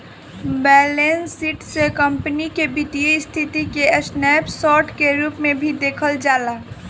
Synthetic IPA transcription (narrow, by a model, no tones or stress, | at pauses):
bɛːlensiːʈsekəmpənikebit̪ijəst̪ʰɪt̪ikeəsnɛːpsɔːʈʰkeɾuːpmẽbʱid̪eːkʰəld͡ʒaːlaː